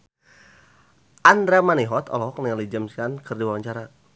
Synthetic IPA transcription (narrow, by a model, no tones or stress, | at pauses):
ʔand̪ɾamaniɦɔt̪ɔ̰lɔɔk̚niŋalid͡ʒəmsiankərdiwawaɲt͡ʃaɾa